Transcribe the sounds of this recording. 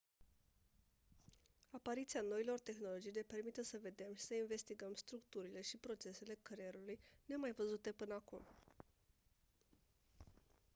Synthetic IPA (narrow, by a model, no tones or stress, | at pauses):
apaɾit̪sianoilo̞rt̪e̞xno̞lo̞d͡ʒijle̞pe̞rmit̪əsəve̞d̪e̞mʃi̥səinve̞st̪iɡəmst̪ɾukt̪uɾile̞ʃipɾo̞t͡ʃe̞se̞le̞kɾeɾulujne̞majvəzut̪e̞pɨnəakum